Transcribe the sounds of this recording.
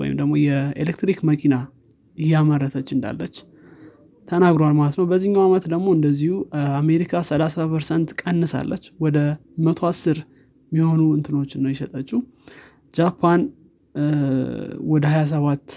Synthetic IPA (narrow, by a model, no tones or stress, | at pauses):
wɔ̰jɪ̰md̪əɡmo̞jɛḛlekt̪ɾikməkʰina | ɪjːaməɾːət̪ʰət͡ʃːɨnd̪a̰lːət͡ʃː | t̪ʰənaɡɾoalmalət̪nəwbəzːiɲːawamət̪d̪əɡmo̞ɨnd̪əzːihuame̞ɾikʰasəlasapʰəɾsənt̪kʼənːɨsa̰lːət͡ʃːwɔd̪ə | mət̪ʰoasːɨɾ | miho̞nuɨnt̪ʰɨno̞t͡ʃːɪnːəwjɛʃət̪ʼət͡ʃːu | d͡ʒapʰːan | wɔd̪əhajas̬əβat̪ː